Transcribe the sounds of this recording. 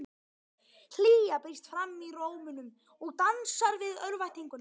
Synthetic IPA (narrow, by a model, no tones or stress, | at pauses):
l̥iːjapɪst̪fɾamːiroːwmʏnʏm | ɔɣt̪ansaɾvɪðœɾvajt̪iŋkʏn